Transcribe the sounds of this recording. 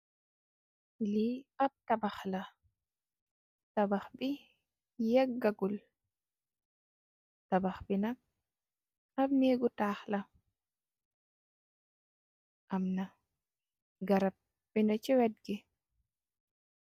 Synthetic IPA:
liab̚tabaxla | tabaxbi | jakɡaɡul | tabaxbinak̚ | abmeɡutaːxla | ʔamna | ɡaɾap̚ | binɔt͡ʃɛwɛd̚ɡi

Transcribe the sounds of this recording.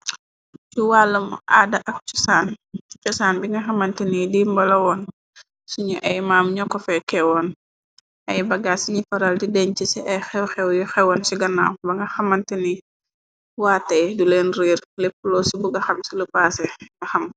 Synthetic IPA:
t͡ʃuwaːlːɐmʔaːdɐʔɐk̚t͡ʃɔ̥saːnt͡ʃɔsaːnbiŋɡɐxɐmɐntɛnidimbɐlɐwɔn | suɲuʔɐjmaːmɲɔkːɔfɛkɛwɔn | ʔɐjbɐɡaːsiɲifɐɾɐldidɛɲt͡ʃisɛʔɐjxɛwxɛwjɔxɛwɔnsiɡɐna̰wbɐŋɡɐxɐmɐntɛni | waːtːɐjdulɛnɾiːrlɛpːulɔsubuɡɐxɐmsilupaːsɛŋɐxɐm

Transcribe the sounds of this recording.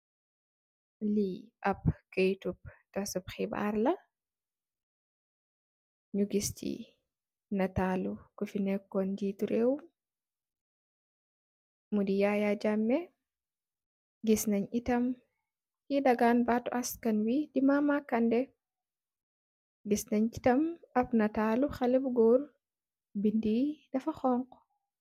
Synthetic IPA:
liʔap̚kajtup̚kasupxiba̰ɾla | ɲuɡistḭ | natalukufinɛkːɔndituɾɛw | mudijajad͡ʒamːɛ | ɡisnaɲitɐm | kidaɡanbatuʔaskɐnwidimamakːandɛ | ɡisnaɲi̥tɐmɐfnɐtaːluxalɛbɡɔɾ | bindidɐfaxɔŋkɔ̥

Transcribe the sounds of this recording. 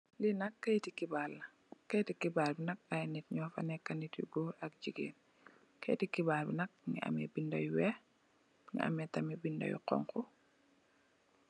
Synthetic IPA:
linɐkːɐjtikibalːɐ | kɐjtikibaːlbinɐk̚ajnit̚ɲɔːfɐnɛkːɐnitḭɡoɾɐk̚d͡ʒiɡḛːn | kʰɛ̰jtikibaːlbinɐk̚ŋḭʔa̰mɛ̰bindajuwɛ | ŋḭʔa̰mɛtɐmibindɐ̰jṵqɔ̰ŋkɔ

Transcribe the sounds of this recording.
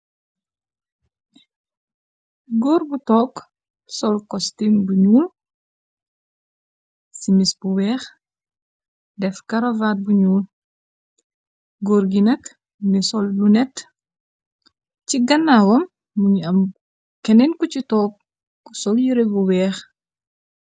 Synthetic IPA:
ɡɔːɾbutɔk | sɔlkɔstimbuɲuːl | simisbuwɛːx | dɛfkɐɾɐvat̚buɲuːl | ɡoːɾɡinɐk | nisɔllunɛt | ciɡɐnːawɔmː | uɲɐm | kɛnɛnkɔcitɔk̚ː | sɔljiɾebuwɛːx

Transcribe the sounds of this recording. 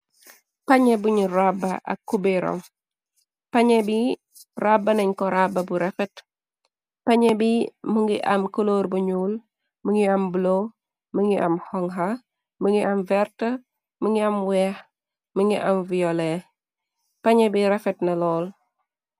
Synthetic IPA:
paɲebuɲiɾabːaa̰kːubeɾo̰m | paɲebi | rabːaneɲkɔɾababuɾefɛt | paɲebimuŋɡḭʔa̰mkoloːɾbuɲul | muŋiamblo | məŋɡiʔa̰mhɔŋɦa | məŋɡiʔamvɛɾtɐ | məŋɡiamwɛh | məŋɡiʔa̰mviole | paɲebiɾefɛtnalɔːl

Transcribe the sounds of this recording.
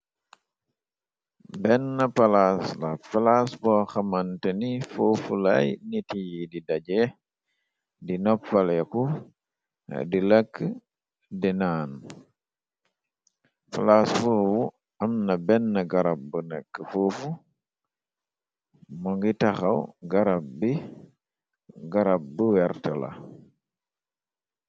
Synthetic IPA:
bɛnːɐpɐlaslɐ̰falasbɔxɐmɐntənifufulɐjnitijididɐɟɛ | dinɔpːɐlɛku | dilɐkː | dinaːn | falasfuwu | ɐmnɐbɛnːɐɡaɾab̚ːənakːəfufu | mɔŋɡitaxawɡaɾab̚bi | ɡaɾab̚bəwɛɾtɔla̰

